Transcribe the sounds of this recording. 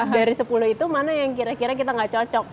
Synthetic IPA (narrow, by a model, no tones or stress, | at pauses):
daɾisəpuluit̪umanajaŋkiɾakiɾakit̪aŋɡat͡ʃɔt͡ʃɔk̚